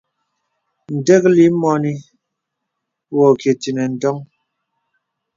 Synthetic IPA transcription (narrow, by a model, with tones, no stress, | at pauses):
n̩˨dɛ˦k̚li˦mɔ˦ni˦ | wɔ˨ke˨ti˨nɛ˨n̩˨dɔ˦ŋ